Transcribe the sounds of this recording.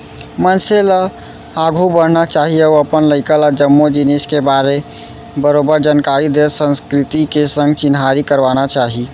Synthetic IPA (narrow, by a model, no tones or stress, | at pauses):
mənselə | aɡʱubəɽ̤nat͡ʃaɦiəuəpənləɪkəlad͡ʒəmːod͡ʒineskebaɾe | bəɾobəɾd͡ʒənkaɾid̪elsə̃nskɾit̪ikesə̃ŋɡt͡ʃinɦaɾikəɾbanat͡ʃaɦi